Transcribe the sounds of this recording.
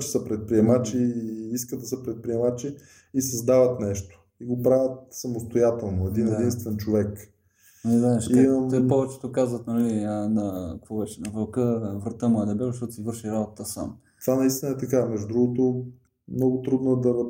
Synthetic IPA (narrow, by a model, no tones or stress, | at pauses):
t͡ʃɛ̥səpɾɛt̪̚pɾiɛmat͡ʃiiskəd̪ɐsəpɾɛt̪̚pɾiɛmat͡ʃiː | sɐzd̪avət̪nɛʃt̪o̥ | iɡopɾavʲət̪̚sɐmost̪ojat̪ɛlˠnoɛd̪inɛdinst̪vɛnt͡ʃovɛk | ɛzaɛʃt̪ɔpɔvɛt͡ʃɛ̥t̪okazvət̪nɐliənɐkkvɔvɛt͡ʃɛnɐvɐlˠkəvɾɐt̪əmoəd̪ɛbɛvʃ̬t̪ɔt̪sivɤɾʃiɾabot̪ət̪əsa̰m | t̪o̥vanɐist̪inəɛt̪ɐkamɛʒud̪ɾuɡot̪o | mnɔɡʊt̪ɾud̪noɛd̪ɐ